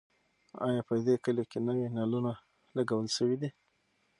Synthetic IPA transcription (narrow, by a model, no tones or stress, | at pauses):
ɑ̰jɑpəd̪ekəlekenəwinaluna | laɡawəlʃəwid̪i